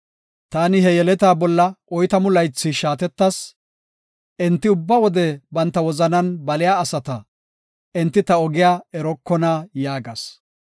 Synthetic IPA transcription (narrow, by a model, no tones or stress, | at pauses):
t̪aːnɪɦɛjɛlɛt̪aːbɔlːɐʔɔjt̪ɐmʊlɐjt͡sːɪʃaːt̪ɛt̪ːɐs | ʔɪnt̪ːɪʊbːɐwɔd̪ɛbɐnt̪ːɐwɔzɐnɐnbɐlɪjaːsɐt̪ɐ | ʔɪnt̪ːɪt̪ɐɔɡɪjaːɛɾɔkːɔnaːjaːɡɐs